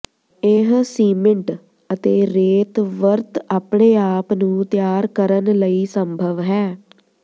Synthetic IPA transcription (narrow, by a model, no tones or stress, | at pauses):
eɦsiːməɳʈ | ət̪eːɾeːt̪ʋəɾt̪aːpɳeːaːpnũːt̪ɪjaːɾkəɾənləiːsəmbʱəʋɦɛː